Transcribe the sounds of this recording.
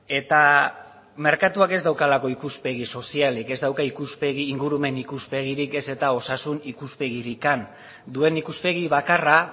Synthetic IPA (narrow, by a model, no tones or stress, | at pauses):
e̞t̪a | me̞ɾkat̪uake̞zd̪awkalako̞ikuspe̞ɣiso̞sialike̞zd̪awkaikuspeɣiːŋɡuɾume̞nikuspe̞ɣiɾike̞se̞t̪ao̞sasunikuspe̞ɣiɾikan | d̪ue̞nikuspe̞ɣ̞iβakara